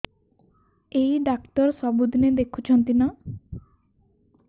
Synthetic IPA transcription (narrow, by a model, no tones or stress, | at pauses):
ejɖakʈɔɾsɔbud̪ʱned̪ekʰut͡ʃʰɔnt̪ina